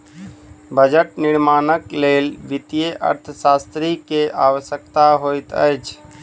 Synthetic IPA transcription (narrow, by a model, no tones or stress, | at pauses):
bʱəd͡ʒəʈ̚nɪɾmaːnəkleːlʋɪt̪jeʔə̰ɾt̪ʰəsaːst̪ɾikeʔaːwəʃjək̚t̪aɦoːit̪ə̰t͡ʃ